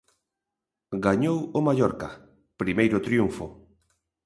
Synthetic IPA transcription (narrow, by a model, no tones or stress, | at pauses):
ɡaɲowomaʎɔɾka | pɾimejɾʊt̪ɾjuɱfo̰